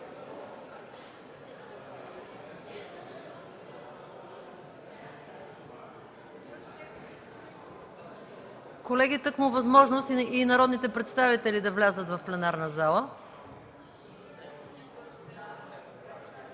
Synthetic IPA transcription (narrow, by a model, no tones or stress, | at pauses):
kolɛɡit̪ɤkmuvɐzmɔʒnost̪inɐɾɔd̪nit̪ɛpɾɛt̪st̪avit̪ɛlid̪ɐvlʲazət̪vɐfplɛnaɾnəzalˠə